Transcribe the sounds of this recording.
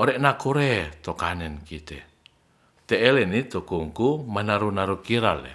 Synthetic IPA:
oɾɛʔnakuɾɛt̪okanɛnkit̪ɛ̰ | t̪ɛʔːlenit̪okuŋkumanaɾunaɾukiɾalḛ

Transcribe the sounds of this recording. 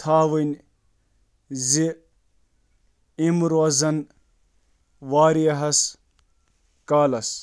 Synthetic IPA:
t̪ʰaːʋɨnʲ | zi | imɾozɐn | ʋaːɾijɐɦɐs | kaːlɐs

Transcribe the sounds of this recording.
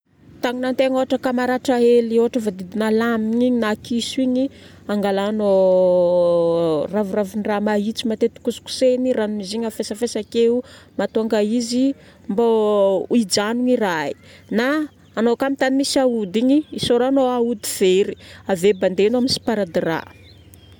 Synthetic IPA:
t̪aŋinant̪eŋoaʈ͡ʂəkamaɾaʈ͡ʂaelioaʈ͡ʂəvad̪id̪inalamiɲiɲinakisuiɲi | aŋɡalaːno | ravuraviniramaɦit͡simat̪et̪u̥kusu̥ku̥seniranuniziɲafesafesakeumat̪uaŋɡaizi | mbauid͡ʒanuŋirai | naː | nokamit̪animisaud̪iɲiisoɾanoaud̪iv̥eɾi̥aveband̪enaminsi̥paɾad̪ira̰

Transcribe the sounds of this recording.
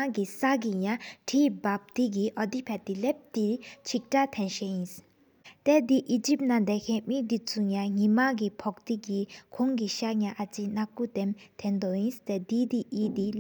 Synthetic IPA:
aɡisaɡijãʈʰibap̚t̪iɡiʔɔd̪ipʰɛt̪ilɛp̚t̪it͡ʃʰik̚ʈat̪ʰɛ̃nʃɛĩs | t̪ɛd̪iʔid͡ʒipnãd̪ɛkʰɛ̃mĩd̪it͡suɲãɦimãɡipʰɔkt̪iɡikʰoŋɡiʃaɲãʔat͡sinakut̪ɛmt̪ʰɛ̃nd̪ɔĩst̪ɛd̪id̪iʔid̪i

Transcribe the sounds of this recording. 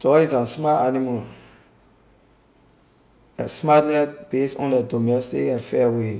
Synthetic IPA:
d̥ɔisãnsmatanimal | ɛsmatnɛd̚b̥esɔ̰̃ndɛdomɛstikãnfɛwe

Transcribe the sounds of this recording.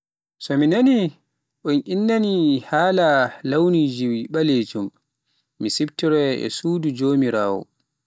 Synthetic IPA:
sɔminani | ʔɔnʔinːanihaːlalawniːd͡ʒiwiɓaled͡ʒumː | isibtiɾɛɛ̰suːdud͡ʒoːmiɾaːwɔ̰

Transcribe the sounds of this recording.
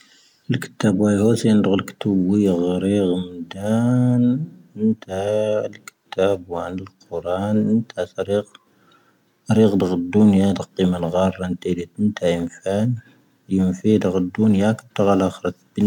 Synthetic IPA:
əlkə̥t̪ːæbwæjhusijnd̪ɣəlkt̪əbwiɣɾiɣmd̪ænənt̪ælkə̥t̪ːæbwʕnəlqoɾˤɑnʔənt̪ʰæt̪ɾiq | ɾiɣd̪əɣəd̪ːʊnjad̪əqːimanɣɑrˤːɑnt̪ælit̪ənt̪ʰæjəmfæn | jəmfid̪əɣəd̪ːʊnjakət̪ːəɣalʔæxɾˤt̪bən

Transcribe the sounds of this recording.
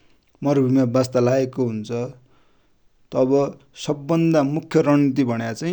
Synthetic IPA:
mʌrbʱimabast̪alaekoɦunt͡sʰʌ | t̪ʌbʌ | sʌbːʌnd̪amukʰjʌɾʌnit̪̬ibʱʌɽjat͡saĩ

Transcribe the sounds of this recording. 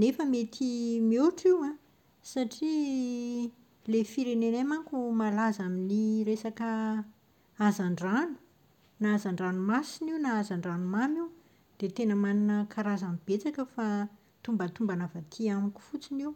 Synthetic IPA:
nefəmet̪ʰimioʈ͡ʂiwã | saʈ͡ʂi | lefiɾenenemaŋkumalazaminiɾesakə | azaɳɖ͡ʐanu̥ | naazaɳɖ͡ʐanumasininaazaɳɖ͡ʐanumamiw | d̪̥et̪enəmaninəkʰaɾazamib̥et͡sakəfa | t̪umbət̪umbanavat̪ʰiamiku̥fut͡siniw

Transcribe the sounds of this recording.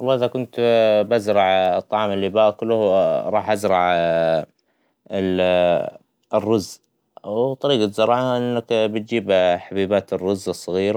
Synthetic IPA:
wɑlˤːɑːʔɪðakʊnt̪bazɾˤɑʕt̪ˤːɑʕɑːmɪlːiːbaːʔkʊlʊhwɾˤɑːħʔazɾˤɑʕ | ɪl | rːʊz | wt̪ˤɑɾiːɡat̪zɑɾˤɑʕaʔɪnːakbɪt̪̚d͡ʒiːbħabiːbaːt̪ɪrːʊzɨsˤːɑɣiːɾa

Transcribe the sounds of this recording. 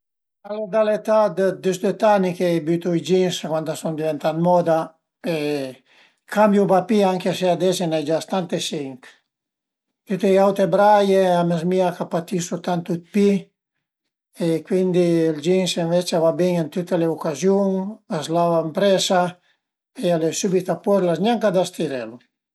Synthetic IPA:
aled̪alet̪ad̪d̪ysd̪et̪anikebyt̪uid͡ʒinskwant̪asund̪ivent̪at̪mɔd̪a | e | kambjubapiaŋkeasead̪ɛsenajd͡ʒast̪ant̪esiŋk | t̪yt̪ejawt̪ebɾajeamezmiakapat̪isut̪ant̪ut̪̚pi | ekwind̪ild͡ʒinseɱvɛt͡ʃavabiŋant̪ut̪eleukazjuŋazlavampɾɛsa | ealesubit̪apɔɾlazɲaŋkad̪ast̪iɾɛlu

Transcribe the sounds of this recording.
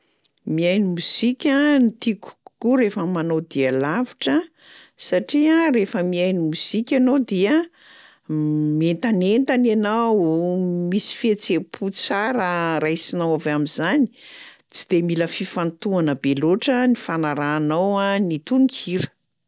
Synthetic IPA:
miajnimuzikʲanit̪iku̥kuɾefəmanowd̪ialaviʈ͡ʂə | saʈ͡ʂiarefəmiajnimuzikʲanod̪ia | mient̪anent̪ananawmisi̥fet͡sepʰut͡saɾəɾajsinawavamizani̥ | t͡si̥d̪̥emiləfifant̪uanəbeloʈ͡ʂənifanaɾaːnawanit̪unikʰiɾə̥

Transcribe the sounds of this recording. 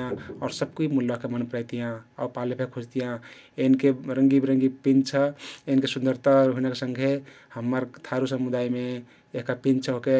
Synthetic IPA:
ãɔɾsəb̚kimulːakemənpəɾɛjt̪ijãɔpalepʰekʰud͡ʒt̪ijã | enkeɾəŋɡiɾəŋɡipint͡ʃʰəeinkesund̪ʱəɾt̪aɾoɦinəkesə̃ŋɡʱe | həmːəɾt̪ʰaɾusəmud̪aime | eɦkapĩnt͡ʃʰɦoke

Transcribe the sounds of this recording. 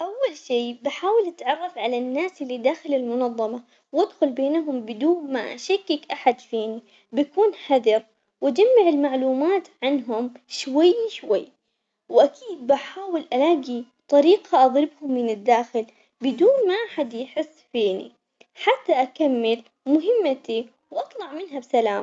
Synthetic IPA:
ʔawːalʃiːbaħaːwɪlʔat̪ʕɑrˤːɑfʕalanːaːsʔɪlːid̪aːxɪlɪlmʊnɑðˤːɑmɑ | wad̪xʊlbeːnɦʊmbɪd̪uːnmaʔa̰ʃakːɪkʔaħad̪fiːni | bakuːnħaðɑɾ | wʔad͡ʒamːaʕɪlmaʕluːmaːt̪ʕanɦʊmʃwajːʃwajː | wʔakʰiːd̪̚bʔaħaːwɪlʔalaːɡi | t̪ˤɑɾiːqaʔɑðˤɾɪbhʊmːɪnɪd̪ːaːxɪl | bɪd̪uːnmaʔaħad̪jħɪsːfiːnḭ | ħat̪ːaʔakamːɪl | mʊɦɪmːat̪i | wʔɑt̪ˤlɑʕmɪnɦabsalaːm

